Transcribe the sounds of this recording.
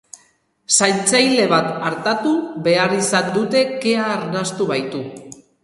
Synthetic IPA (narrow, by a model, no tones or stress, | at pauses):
sajnt͡sajle̞βat̪aɾt̪at̪uβe̞aɾisand̪ut̪e̞ke̞aːɾnast̪uβajt̪u